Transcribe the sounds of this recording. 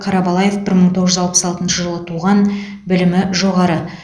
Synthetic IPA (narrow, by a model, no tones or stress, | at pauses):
qʰɑɾɑbɑlˠɑje̞fbɪɾməɴt̪ʰo̞ʁəʒʏzɑlˠpə̥sɑlˠt̪ənʃəʒəlˠət̪ʰuʁɑn | bɪlɪmɪʒo̞ʁɑɾə